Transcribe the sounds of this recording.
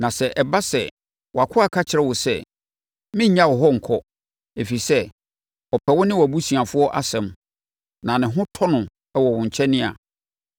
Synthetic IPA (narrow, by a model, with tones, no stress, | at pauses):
nã˨sɛ˨ʔɛ˨ba˦sɛ̰˨ | wa˨kʰʊ˦a˨kʰa˦t͡ɕʰɪ˨ɾɛ˦˨wʊ˨sɛ˦ | mɪ̃˦ɲã˦wɔ˨ɦɔ˦ŋ̩˨kʰɔ˦ | e˨fi˨i˨sɛ˦ | ɔ˨pʰɛ˨wʊ̃˦nɪ̃˦wæ˨bu˦sĩ˨a˨fʊ˦ɔ˦ʔa˦sɛ̃˨m | nã˨nɪ̃˨ɦʊ̃˦tʰɔ˦nʊ̃˨ | ɛ˨wɔ˨wʊ̃˨ɲ̩˨t͡ɕʰɛ˦nɪ̃˦a̰˨